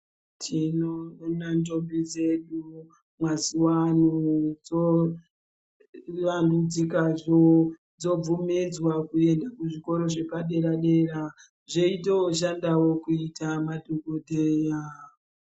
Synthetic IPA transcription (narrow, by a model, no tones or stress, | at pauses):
tʰinonantombid͡zeɗu | mwaziwanud͡zo | randud͡zikaʐo | d͡zo̞b͡vumid͡zwakue̞ndakuʐiko̞ɾo̞ʐe̞paɗe̞ɾaɗe̞ɾa | ʐeitewoʃandawokuitʰamadʱokodʱeja